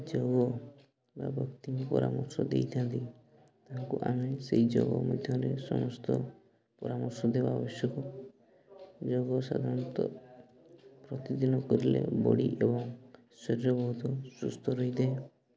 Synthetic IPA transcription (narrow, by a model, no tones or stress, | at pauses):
d͡ʒɔɡɔ | ba̰bʱɔkt̪iŋpɔɾamɔɾsɔd̪ḛjt̪ʰant̪i | t̪aɦaŋkuʔameseɦid͡ʒɔɡɔmɔd̪ʱjɔɾesɔ̰mɔst̪ɔ | pɔɾamɔɾsɔd̪ebabɔsjɔkɔ | d͡ʒɔɡɔsa̰d̪ʱaɾɔnt̪ɔ | pɾɔt̪id̪inɔkɔɾilḛbɔɽiʔebɔŋ | seɾɾɔbɔɦut̪ɔsust̪ʰɔɾɔɦid̪ee